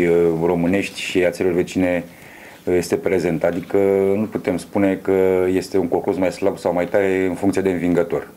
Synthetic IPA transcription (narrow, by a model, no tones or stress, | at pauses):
ro̞mɨne̞ʃt̪ʲʃiat̪selo̞rve̞t͡ʃine̞ | je̞st̪e̞pɾe̞ze̞nt̪ad̪ikənuput̪e̞mspune̞kəje̞st̪e̞uŋko̞ŋkursmajslabsawmajt̪aɾe̞ɨnfuŋkt̪sied̪eɨnviŋɡət̪o̞r